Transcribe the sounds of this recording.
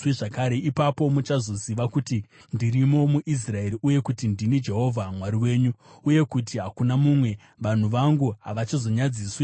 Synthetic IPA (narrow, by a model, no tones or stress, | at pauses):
ʐakaɾe̞ipapo̞mut͡ʃazo̞ziʋakuti | ndirimo̞muʔis̬rae̞ɾiʔuje̞kutindinid͡ʒe̞ɦo̞vʱamwaɾiwe̞ːɲuːje̞kutiɦakunamumwe̞ | ʋan̤uʋaŋɡuɦaʋat͡ʃizo̞ɲad͡ziswi